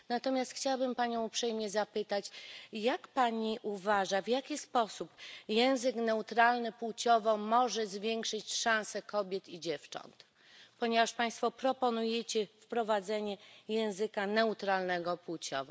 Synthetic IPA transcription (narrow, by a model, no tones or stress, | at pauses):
nat̪ɔmʲjast̪xt͡ɕawabɘmpaɲɔ̃w̃upʂɛjmɲɛzapɘt̪at͡ɕjakpaɲiʔuvaʐavʲjakʲispɔsupjɛ̃w̃zɘknɛut̪ɾalnɘpwut͡ɕɔvɔmɔʐɛzvʲjɛŋkʂɘt͡ɕʂãw̃sɛkɔbʲjɛt̪id͡ʑɛft͡ʂɔ̰nt̪ | pɔɲɛvaʂpaj̃st̪fɔpɾɔpɔnujɛt͡ɕɛfpɾɔvad̪zɛɲɛjɛ̃w̃zɘkanɛut̪ɾalnɛɡɔpwut͡ɕɔ̰vɔ̰